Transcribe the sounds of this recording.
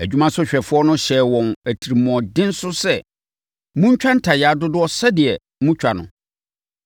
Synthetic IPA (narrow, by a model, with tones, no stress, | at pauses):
æ˨d͡ʑᶣu˦mã˦sʊ˦ɕᶣɛ˨fʊ˦ɔ˦nʊ̃˦ɕɛ˨wɔ̃˨næ˨tʰi˨ɾi˨m˨ɔ̃˨dɪ̃˦n̩˦sʊ˦sɛ˦˨ | mũ˦ɲ̩˦t͡ɕᶣã˦n̩˦tʰa˨jɛ˨a˨dʊ˦dʊ˦ɔ˦sɛ˦dɪ˨ɛ˨ | mũ˦t͡ɕᶣa˨nʊ̰̃˨